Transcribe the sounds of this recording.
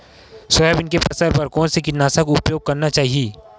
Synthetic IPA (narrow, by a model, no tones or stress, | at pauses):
sɐɛbɪnkepɐsəɾbɐɾkõsekɪt̪naːsakoʊpjoːɡ̚kɐɾnat͡ʃaːɦieː